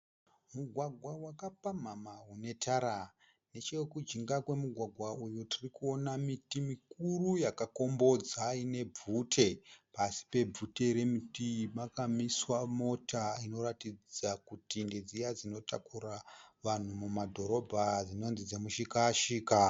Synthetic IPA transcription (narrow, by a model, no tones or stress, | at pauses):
muɡʱwaɡʱwawakapam̤amaɦune̞taɾa | ne̞t͡ʃe̞kud͡ʒiŋɡakwe̞muɡʱwaɡʱwaujutirikuo̞namitimikurujakako̞mbo̞d͡zaine̞b͡vutʰe̞pasi̥pe̞b͡vute̞ɾe̞mitimakamiswamo̞taino̞ratid͡zakutinded͡zijad͡zino̞takuraʋan̤umumadʱo̞ɾo̞bʱad͡zino̞nzid͡zemuʃikaʃiːka